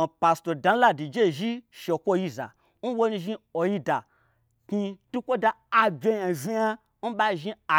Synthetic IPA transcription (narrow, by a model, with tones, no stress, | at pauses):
pa˨sto˨da˧˦la˦di˨d͡ʒe˦˨ʒi˦ʃe˨kʷo˦ji˧za̰˨ | n̩˦wo˦nĩ˧ʒi˦o˨ji˦da˨ | ki˧tu˦kʷo˦da˧ | a˧bʲe˧˦ja˨zi˦ja˦ | n̩˦ɓa˧˨ʒi˧a˨